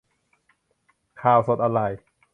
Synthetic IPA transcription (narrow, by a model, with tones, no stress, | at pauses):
kʰaː˧˩wso˨˩t̪̚ʔa˧ɾa˧˩j